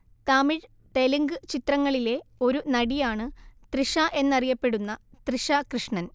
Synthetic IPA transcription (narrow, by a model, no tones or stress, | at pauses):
t̪ɐmiɻ | ʈeliŋɡɨt͡ɕit̪rɐŋːɐɭile̞o̞ɾunɐɽijaːɳɨt̪riʂaʔe̞nːɐrijɐpːe̞ɽunːɐt̪riʂakrɨʂɳɐn